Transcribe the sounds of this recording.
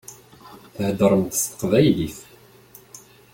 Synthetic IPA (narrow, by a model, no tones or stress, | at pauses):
θəhd̪əɾˤəmt̪st̪ə̥qvæjliθ